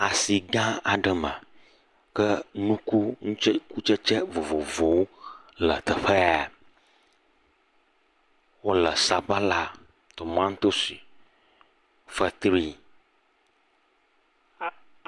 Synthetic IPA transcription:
a˨si˨ɡã˦a˨ɖə˨mə̰̃˨ | kə˦nũ˦ku˦ŋũ˦t͡ʃku˦t͡ʃə˦t͡ʃɛ˦vo˨vo˨vo˨wo˦ | lə̰˨t̪ə˨ɸə˦a˨ | wo˦lə˨sa˨ɸa˦la˦ | t̪o˨mã˦ŋ˦t̪o˦si˨ | fə˦t̪ɾi˦

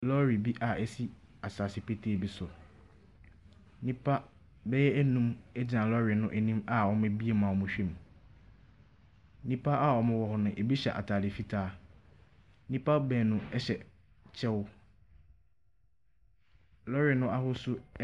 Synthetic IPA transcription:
lɔ˦ɾi˨bi˦ʔa˨ɛ˦si˦ | a˨saː˨sɪ˨pʰe˦tʰeː˦˨bi˦sʊ˨ | nĩ˦pʰa˦ | bɛ˦jɛ˦æ˦nũ˦mɛ˦d͡ʑi˨nã˨lɔ˦ɾi˨nʊ̃˦ʔe˦nĩ˦ma˨wɔ˦mɪ̃˦bi˦e˦˨mãː˨mʊ̃˨ɕᶣẽ˦˨m˨ | nĩ˦pʰa˦ʔa˦˨wɔ˨mɪ̃˦wɔ˨hʊ˨nʊ̃˨ʔe˨bi˦ɕɛ̰˨ʔa̰˨tʰaː˨dɪ˨fi˦tʰaː˦ | nĩ˦pʰa˦bɛ˨nʊ̃˦ɛ˦ɕɛ˨ | t͡ɕʰɛ˦wʊ˦ | lɔ˦ɾi˨nʊ̃˦ʔa˦hʊ˦sʊ˦

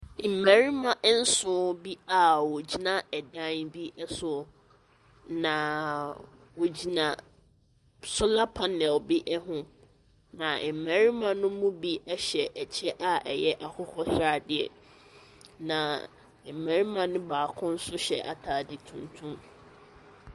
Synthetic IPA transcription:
m̩˨mæ̃˨ɾi˦mã˨ʔn̩˦sʊ˨˦bi˦a˦˨wɔ˨d͡ʑi˦nã˦ɛ˨dã˦nbi˦ʔɛ˦sʊ˨ | nã˨ | wo˨d͡ʑi˨nã˨ | sʊ˦la˦pʰã˨nɪ̃˨ɔ˨bi˦ʔɛ˦ɦʊ̃˦ | nã˨m̩˨mæ̃˨ɾi˦mã˨nʊ̃˦mũ˦bi˦ɛ˦ɕɛ˨ʔɛ˨t͡ɕʰɛ˦ʔa˦ʔɛ˨jɛ˦ʔa˨kʰʊ˦kʰɔ˦sa˨dɪ˨ɛ̰˨ | nã˨ | m̩˨mæ̃˨ɾi˦mã˨nʊ̃˦baː˨kʰʊ̃˦n̩˦sʊ˦ɕɛ̰˨ʔa̰˨tʰaː˨dɪ˨tʰũ˨ntʰũ˦m

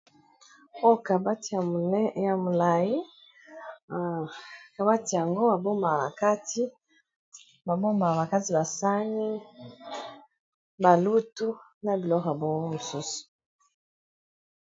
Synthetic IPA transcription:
o˦ka˨ba˦ta˨˦ja˨mu˨la˨ji˦˨ | ka˨ba˦ti˨ja˨ŋɡo˦ba˨bo˦ma˨ba˨ka˦ti˦ | ba˨bo˦ma˨ba˨ka˦ti˨ba˨sa˦ɲi˦ | ba˨lu˦tu˦na˨bi˨lɔ˦ɣa˨bɔ˦ŋɔ˦mu˨su˦su̥˨

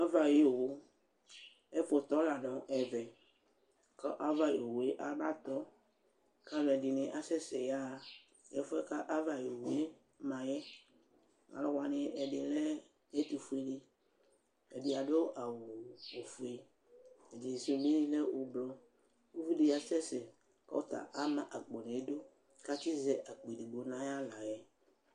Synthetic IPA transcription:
a˦va˨je˨o˨wo˦ | e˦fo˨t̪ɔ˦la˨nɔ̃˨ʔɛ˨vɛ˨ | kɔ˦ʔa˦va˦jo˨wu˨e˦ʔa˨ma˦t̪ɔ˦ | ka˦vɛ˨di˨nẽ˨ʔa˦sɛ˦sɛ˨ja˦˨ | je˦fo˦ɛ˦ka˦ʔa˦va˨je˨wu˨e˦ | mã˨jɛ˦ | a̰˨lɔ˦wa˨nɪ̃˨ʔɛ˨ɖe˨lɛ˦ | ɛ˦t̪u˨fu˦e˨de˨ | ɛ˨dɪ˨a˨do˦ʔa˨wʊ˨o˨fu˨e˨ | ɛ˨d͡ʒi˨so˨˦˨m˦e˦nĩ˦lɛ˦o˨blɔ˨ | u˦vi˦de˨a˨sɛ˦sɛ˨ | ka̰˦o˦t̪a̰˨ʔa˦mã˦ʔa˨k͡pɔ˨nẽ˨˦do˦ | ka˦ti˦zɛ˦ʔa˨k͡pe˨di˨ɡ͡bo˨nã˦ja˦la˨jɛ˦

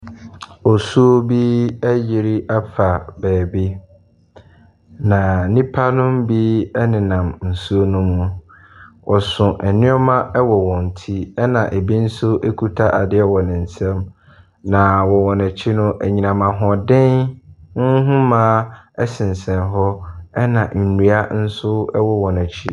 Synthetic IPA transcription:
ɔ˨su˦o˦bi˦æ˦jɪ˨ɾi˦ʔa˦pʰa˨bɛː˨bi˦ | nã˨nĩ˦pʰa˦nʊ̃˦mbi˦ɛ˦nɪ̃˨nã˨mn̩˨su˦o˦nʊ̃˦mũ˨ | wʔɔ˨sʊ̃˨ʔɛ˨nɪ̃˦ɔ˦mã˦ʔɛ˦wɔ˨wɔ̃˨n̩˨tʰi˦ɛ˦nã˨ʔe˨bi˦n̩˦sʊ˦ʔe˦kʰu˦tʰa˦ʔa˨dɪ˦ɛ˨wɔ˨nɪ̃˨n̩˨sɛ̃˦m | nã˨wɔ˨wɔ˨næ˨t͡ɕʰi˦nʊ̃˦ʔæ˨ɲĩ˨nã˨mã˨ɦɔ̃˨dɪ̃˦n˦ | ɦʊ̃˦mãː˦ɛ˦sɪ̃˨n˨sɛ̃˨nɦɔ˦ɛ˦nã˨n̩˨nu˨a˦n̩˦sʊ˦ɛ˦wɔ˦wɔ˨næ˨t͡ɕʰi˦

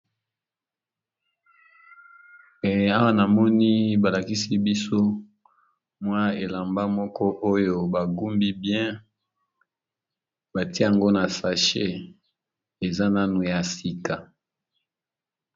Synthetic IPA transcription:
ɛ˨a˦wa˦na˨mɔ˦ni˦ba˨la˨ki˦si˦bi˦so˦ | mwa˦e˨la˨mba˦mɔ˦kɔ˦ʔo˦jo˦ba˨ɡu˦mbi˦bjɛ̃˦ | ba˨ti˦˨a˨ŋɡo˦na˨sa˨ʃe˦ | e˨za˦na˦nu˨ja˨si˨ka˨

